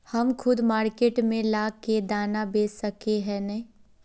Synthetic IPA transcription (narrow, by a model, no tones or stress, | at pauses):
hɐmkʰʊd̪maːɾkeːʈmẽlaːked̪aːnabeːsəkeɦɛnɐĩ